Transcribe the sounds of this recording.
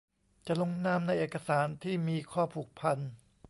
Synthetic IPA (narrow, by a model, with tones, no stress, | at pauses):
t͡ɕa˨˩lo˧ŋnaː˧˥mna˧jʔeː˨˩ka˧saː˩˦nt̪ʰiː˥˩miː˧kʰɔː˥˩pʰuː˨˩k̚pʰa˧n